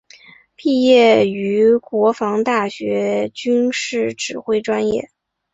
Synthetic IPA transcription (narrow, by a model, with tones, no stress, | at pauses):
pi˥˧jɛ˥˩y˧˥kwɔ˧˥fɑ˧˥ŋt̪a˥˩ɕɥɛ˧˥t͡ɕy˥nʂɻ̩˥˩ʈ͡ʂɻ̩˨˩xwe˥˧ɪʈ͡ʂwa˥njɛ̰˥˩